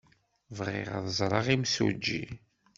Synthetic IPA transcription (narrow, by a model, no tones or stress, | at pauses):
vʁḛʁə̰ðˤəzˤɾˤɑʁimsṵd͡ʒːi